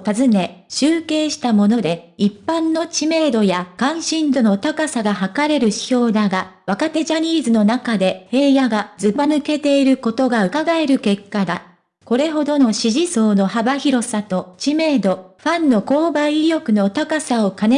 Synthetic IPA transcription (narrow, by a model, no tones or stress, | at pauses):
t̪azɨne̞ɕɨːke̞ːɕi̥t̪amo̞no̞d̪e̞ipːãnːo̞t͡ɕime̞ːd̪o̞jakãɰ̃ɕĩnd̪o̞no̞t̪akasaɡahakaɾe̞ɾɯ̟ɕi̥ço̞ːd̪aɡaβakat̪e̞ʑaɲ̟iːzɨno̞nakad̪e̞he̞ːjaɡazɨbanɯ̟ke̞t̪e̞iɾɯ̟ko̞t̪o̞ɡaɯ̟kaɡae̞ɾɯ̟ke̞kːad̪a | ko̞ɾe̞ɦo̞d̪o̞no̞ɕiʑiso̞ːno̞habaçiɾo̞sat̪o̞t͡ɕime̞ːd̪o̞ɸãnːo̞ko̞ːbãɰijʲo̞kɯ̟no̞t̪akasao̞kane